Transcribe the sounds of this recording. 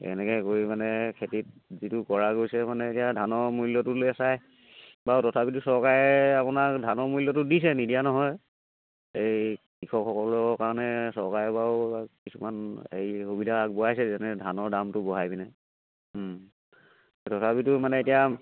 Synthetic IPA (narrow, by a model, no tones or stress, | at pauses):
ɛ̰nɛkɛkoɹimanɛkʰetit̚zitʊkɔɹaɡojsɛmanɛetijadʱanɔɹmulːɔtʊlojasaj | batɔtʰapitʊsɔɹkaɹɛapʊnadʱanɔɹmulːɔtʊdis̬ɛnidijanɔɦɔj | ejkikʰɔkʰːɔkɔlɔɔkaɹɔnɛsɔɹkaɹɛbaʊkisumanḛjhubidʱak̚bɔajsɛzɛnɛdʱanɔɹdamtʊbɔɦajbinɛ | tɔtʰapitʊmanɛetija